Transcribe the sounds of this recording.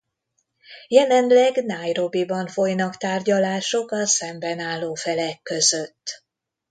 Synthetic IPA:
jɛlɛnlɛɡnaːjro̞bibɒɱfo̞jnɒkt̪aːrɟɒlaːʃo̞kɒsɛmbɛnaːlːoːfɛlɛkːø̞zøt̪ː

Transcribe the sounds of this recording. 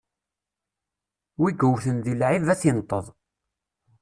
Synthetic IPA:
wiɡəwθənðilʕivæθjənt̪ˤːəðˤ

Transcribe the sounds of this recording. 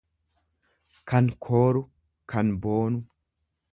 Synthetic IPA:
kɐnkʰoːɾʊ | kʰɐnboːnʊ

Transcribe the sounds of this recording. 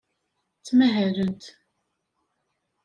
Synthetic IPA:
t͡sːmæɦæɾənt̪

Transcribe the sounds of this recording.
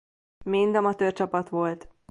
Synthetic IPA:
mind̪ɒmɒt̪ørt͡ʃɒpɒt̪ʋo̞lt̪

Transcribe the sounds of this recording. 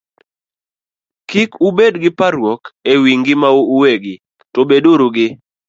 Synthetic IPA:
kikubedɡɪpaɾwɔkewiŋɡɪmaouweɡɪ | tobedoɾuɡɪ

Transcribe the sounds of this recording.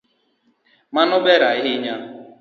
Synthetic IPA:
manʊbeɾaiɦɪɲa

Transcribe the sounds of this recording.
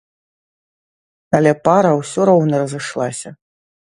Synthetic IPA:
ɐlʲɛpaɾɐwsʲɔɾɔwnɐɾɐzɨʂlˠasʲɐ

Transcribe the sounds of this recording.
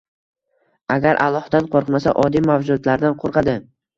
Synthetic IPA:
aɡʲaɾʔa̰lˠːɒhd̪anqʰoɾqmasa̰ʔɒd̪ijmawd͡ʒʊd̪laɾd̪anqʰoɾqʰɑd̪ɪ

